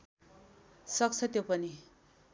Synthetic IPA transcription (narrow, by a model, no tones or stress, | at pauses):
sʌk̚t͡sʰʌt̪jopʌni